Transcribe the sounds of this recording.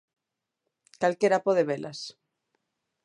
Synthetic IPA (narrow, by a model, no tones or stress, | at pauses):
kalkeɾapoðeβelas